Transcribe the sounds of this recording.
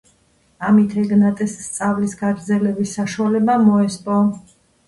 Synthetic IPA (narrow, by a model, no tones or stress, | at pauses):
amit̪ʰɛɡnat̪ʼɛsːt̪sʼavlisɡaɡɾd̪zɛlɛbisːaʃualɛbamɔɛspʼɔ